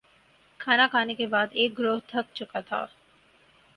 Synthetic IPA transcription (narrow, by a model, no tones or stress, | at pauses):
kʰaːnakʰaːnekebaːd̪eːk̚ɡɾoːɦt̪ʰək̚t͡ʃʊkat̪ʰa̰ː